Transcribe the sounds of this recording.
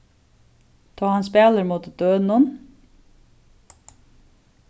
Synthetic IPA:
t̪ʰɑːhɑnspeːləɾmuːt̪d̪̥øːnʊn

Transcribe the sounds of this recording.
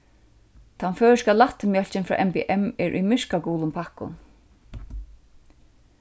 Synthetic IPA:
t̪ʰanføːskalaht̪mjœl̥t͡ɕɪnfɾa̰ːʔɛmpɛʔɛmɛɹʔṵjmɪʂkakuːlʊmpʰahkʊ̰n

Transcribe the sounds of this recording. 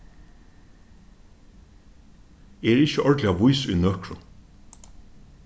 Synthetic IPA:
eːɾɪçəʔɔɹɖ̪lɪaʋʊʏsʉ̰ːnœkɹʊ̰

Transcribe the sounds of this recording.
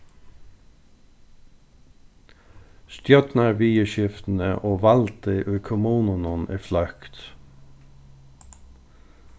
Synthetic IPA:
st̪jœt̪næːʋiːəʃɪft̪n̩əʔoːʋɑlt̪əʔʉːkʰʊmuːnʊnʊniːflœkt̪

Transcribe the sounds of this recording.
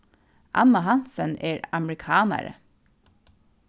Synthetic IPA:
ʔɑ̰nɑhɑnsənʔeːɹɑmɹɪkʰɑːnæ̰ɾə̰

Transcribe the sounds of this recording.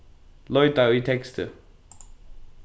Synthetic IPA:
lɔjtaitʰɛkstʰə̰

